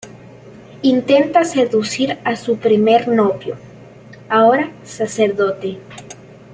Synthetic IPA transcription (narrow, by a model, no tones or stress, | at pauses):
int̪e̞nt̪ase̞ðusiɾasupɾime̞ɾnoβjo | aoɾasaseɾðot̪e